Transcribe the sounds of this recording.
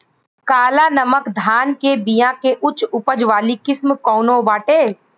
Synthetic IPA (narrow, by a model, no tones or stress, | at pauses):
kaːlanəməkd̪ʱaːnkebijãkeʔʊt͡ʃʊpəd͡ʒʋaːlikɪsmkɔːnõbaːʈeː